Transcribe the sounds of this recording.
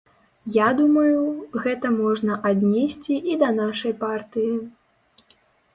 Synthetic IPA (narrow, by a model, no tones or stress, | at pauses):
jad̪umɐjuɣɛt̪ɐmɔʐnɐʔad̪ʲnʲɛsʲt͡sʲiʔid̪ɐnaʂɐjpart̪ɨji